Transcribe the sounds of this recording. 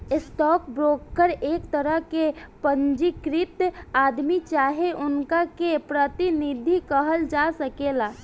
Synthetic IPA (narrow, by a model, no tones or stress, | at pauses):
ɪsʈɔkbɾoːkːəɾeːkt̪əɾəɦkepənd͡ʒikɾɪt̪aːd̪mit͡ʃaːɦeʔʊnkakepɾət̪inid̪ʱikəɦəld͡ʒasəkela